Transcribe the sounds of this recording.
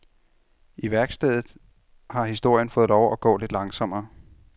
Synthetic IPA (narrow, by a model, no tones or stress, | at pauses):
ʔiʋæɐɡ̥sd̥ɛ̰ð̰ˠð̩ˠ | hɑ̈hisd̥o̝ɐ̰jənfɔ̽ːð̩ˠlɒʊæɡ̥ɔ̰̽ːle̝d̥lɑ̈ŋsɒ̽m̰ɐː